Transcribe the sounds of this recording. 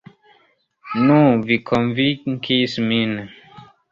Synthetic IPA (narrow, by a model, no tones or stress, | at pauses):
nuvikʰɔnvikismin